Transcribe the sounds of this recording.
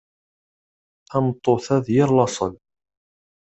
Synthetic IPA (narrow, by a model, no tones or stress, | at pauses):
æmt̪ˤːoθæðjɪɾlɑsˤə̰l